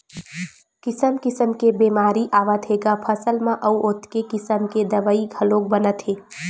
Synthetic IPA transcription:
kɪsəmkɪsəmkebemaːɾiʔaːʋət̪ɦeɡapʰəsəlmãʔəuʔot̪kekɪsəmked̪əʋəiɡʱəlõk̚bənət̪ɦe

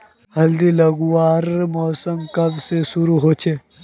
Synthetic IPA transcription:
ɦɐld̪ilɐɡuaːɾmɔːsəmkɐbsesʊɾuɦoːt͡ʃʰe

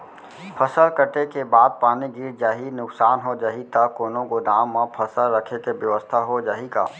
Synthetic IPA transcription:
pʰəsəlkəʈekebaːd̪̚paːniɡiːɾd͡ʒaːɦinʊksaːnɦod͡ʒaːɦit̪akoːnõkod̪aːmːãpʰəsəlɾəkʰekebjəʋəst̪ʰaɦod͡ʒaːɦika̰ː

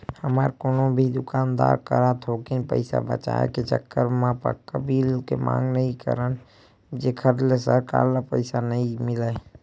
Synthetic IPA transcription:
həmaɾkoːnobʱid̪ʊkaːnd̪a̰ɾkəɾat̪ʰokinpə̰ɪsa̰bə̰t͡ʃa̰ḛket͡ʃə̰kːəɾmãpə̰ɾkəbilkemã̰ːŋɡnəɦĩkə̰ɾən | d͡ʒekʰəɾlesəɾka̰ːɾlapəɪsanəĩmɪlaj

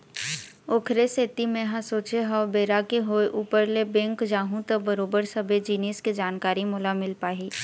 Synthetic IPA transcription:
oːkʰɾeseːt̪imẽɦãsoːt͡ʃeɦɔːbeːɾakeɦoːeʔuːpəɾlebɛ̃ːŋkd͡ʒaːɦũt̪ɐbəɾoːbəɾsɐbʱed͡ʒiːneːsked͡ʒaːnkaːɾimʊlamɪlpaːɦiː

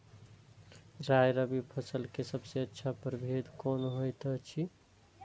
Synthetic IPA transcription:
ɾajɾəbipʰəsəlkesəbseətːʃʰapəɾbʱed̪konɦojt̪ət͡ʃʰi

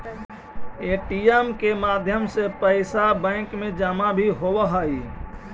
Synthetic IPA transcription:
eʈiemkemad̪ʱjəmsepəɪsabə̃ɪkmẽd͡ʒəmabʱiɦowəɦai

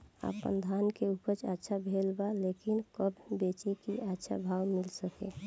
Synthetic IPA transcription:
a̰pə̰nd̪ʱankeupəɾt͡ʃatːʃʰabʱelbalekɪnkəbbet͡ʃikiʔatːʃʰa̰bʱaːwmɪlsəkḛ

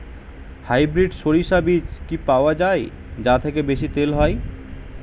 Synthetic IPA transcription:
hajbɾiɖʃoɾiʃabit͡ɕkipaoad͡ʑae | d͡ʑat̪ʰekebeʃit̪elɦɔe

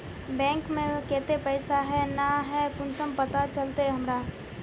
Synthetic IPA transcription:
bɛ̃ːŋkmẽkeːt̪epəɪsaɦɛnaɦɛkʊnsəmpɐt̪at͡ʃəlt̪eɦɐmɾaː

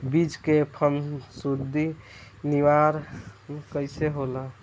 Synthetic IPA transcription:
bid͡ʒkepʰəmsud̪i | niʋaɾkəjseɦola

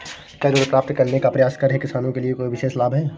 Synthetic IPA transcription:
kɛːɾoːɽkɾaːfʈkɐɾnekapɾɐjaːskɐɾɦɛkɪsaːnõkeliekoːiʋɪʃeːslaːbʱɦɛː

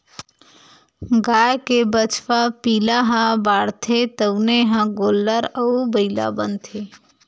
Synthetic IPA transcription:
ɡaːjkebət͡ʃʋapiːlaɦãbaːɽt̪ʰet̪əwneɦãɡoːlːəɾəubəila̰bənt̪ʰeː

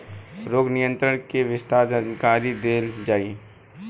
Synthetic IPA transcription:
ɾoːɡnɪjə̃nt̪ɾəɳkeʋɪst̪aːɾd͡ʒənkaːɾid̪eːld͡ʒaːi

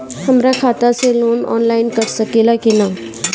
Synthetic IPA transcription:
həmɾakʰaːt̪aseloːnɔ̰ːnlaɪnkəɾsəkeːlakina

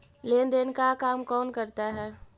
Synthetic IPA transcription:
leːnd̪eːnkakaːmkɔːnkəɾt̪aɦɛː

